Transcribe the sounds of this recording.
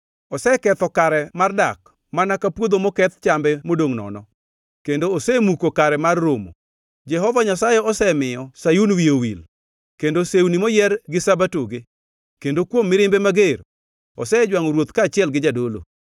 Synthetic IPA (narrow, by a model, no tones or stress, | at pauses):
ɔsɛkɛt̪ɔkaɾɛmardak | manakapwod̪omɔkɛt̪t͡ʃambɛmodoŋnɔ̰nɔ | kendoːsɛmukokaɾɛmarːomo̰ | d͡ʒɛɦɔvaɲasajɛɔsɛmɪjɔsajunwiowil | kendosewunimojɛrɡɪsabatoɡe | kendokwomːɪɾɪmbemaɡer | ɔ̰sɛd͡ʒwaŋɔɾwot̪kaːt͡ʃɪɛlɡɪd͡ʒadolo̰